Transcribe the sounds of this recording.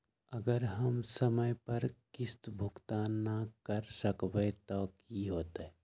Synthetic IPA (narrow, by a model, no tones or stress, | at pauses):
əɡəɾɦəmsəməjpəɾkɪst̪bʱʊkt̪anːakəɾsəkbet̪ɔkiɦoːt̪ɛ